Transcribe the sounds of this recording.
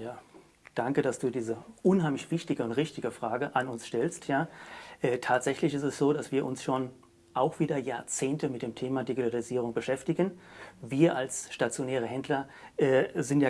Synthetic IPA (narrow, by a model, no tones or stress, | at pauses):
jaː | d̥aŋkəd̥asd̥uːdiːzəʔʊnhaɪmlɪçv̥ɪçtɪɡəʊntʁɪçtɪɡəfʁ̥aːɡəʔanʊnsʃtɛlstʰjaːʔɛːtʰaːtz̥ɛçlɪçɪstɛsz̥oːdasv̥iːɐʔʊnsʃoːn | ʔaʊxv̥iːdɐjaːɐt͡seːntəmɪt̚d̥eːmtʰeːmadiɡitʰaliziːʁ̞ʊŋbəʃɛftɪɡənviːɐʔalsʃtat͡sjonɛːʁ̞əɦɛndlɐ | ʔɛːzɪntjaː